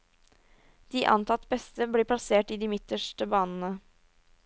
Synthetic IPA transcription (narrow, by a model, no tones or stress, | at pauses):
d̪̥iːʔɑ̰nt̪ʰɑt̪ːbɛst̪əbliːpʰlɑseːʈiːd̪iːmɪt̪əʂʈəbɑːnn̩ə